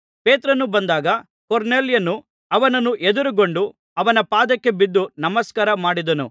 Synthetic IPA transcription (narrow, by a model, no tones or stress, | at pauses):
peːt̪ɾɐnubɐnd̪aːɡɐ | koɾneːljɐnːu | ɐʋɐnɐnːuʔed̪uɾuɡoɳɖu | ɐʋɐnɐpaːd̪ɐkːe̞bid̪ːunɐmɐskaːɾɐmaːɽid̪ɐnṵ